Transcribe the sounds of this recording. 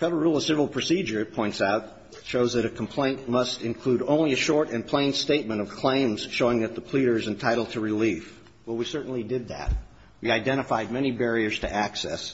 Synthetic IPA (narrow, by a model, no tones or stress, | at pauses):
fɛɾə˞ɹulˠʌv̥sɪvɹl̩ˠpʰɹ̥ɨsid͡ʒə˞ɨpʰɔ̃ɪ̃ntsaʊt̚ | ʃoʊzðɨɾɨkʰm̩pʰl̥ẽɪ̃nʔmʌstɨ̃nkʰl̥uɾõʊ̃nliɨʃɔɹɾɨ̃npʰl̥ẽɪ̃nsteɪt̚mɨ̃ɾ̃ʌv̥kʰl̥ẽɪ̃mz̥ʃoʊɪ̃ŋðɨt̪̚ðəpʰl̥iɾə˞ɨzɨ̃n̩tʰaɪɾl̩ˠd̚tʰəɹɨlif | wɛlˠwisɜ˞ʔn̩lidɪd̪̚ðæ̰t̚ | wiaɪdɛ̃ɾ̃əfaɪd̚mɛñibɛɹiə˞z̥tʰɨ̰ʔæksɛ̰s